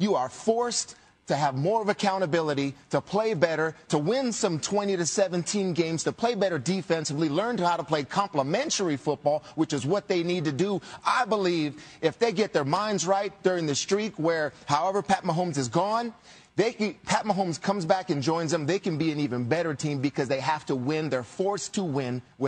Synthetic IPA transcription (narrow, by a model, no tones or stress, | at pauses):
jəə˞fɔɹs | tʰɨːvmɔɹʌvɨkʰãʊ̃ɾ̃ɨbɪlˠəɾiɾəpʰl̥eɪbɛɾə˞ɾəwɪ̃nsʌ̃mtʰw̥ɛ̃ɾ̃iɾɨsɛvɨ̃ntʰĩnɡẽɪ̃mz̥tʰɨpʰl̥eɪbɛɾə˞dɨfɛ̃nsɨvlilɜ̃˞ntɨhaʊɾəpʰl̥eɪkʰɑ̃mpləmɛ̃ntə˞ifʊt̚b̥ɔlˠwɨt͡ʃɨzwʌt̪̚ðeɪnid̚tɨdəʔaɪbəlivɪfðeɪɡɛt̪̚ðə˞mãɪ̃ndzɹaɪt̚d̥ʊɹɪ̃ŋðɨstɹ̥it̚wə˞haʊɛvə˞pʰæt̚məɦõʊ̃mzɨzɡɔ̃n | ðeɪpʰæt̚mə˞ɦõʊ̃mz̥kʰʌ̃mzbækɨ̃nd͡ʒɔ̃ɪ̃nzðə̃mðeɪkɨ̃n̩biɨ̃nivɨ̃nbɛɾə˞tʰĩmbɨkʰʌzðeɪɦæftəwɪ̃nðə˞fɔɹstʰəwɪ̃nwɪ